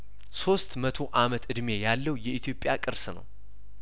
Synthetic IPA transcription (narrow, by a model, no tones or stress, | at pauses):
so̞st̪mət̪ʰo̞ʔamət̪ɨd̪me̞jalːəwjɛʔit̪ʰjo̞pʼjakʼɨɾsnə̰w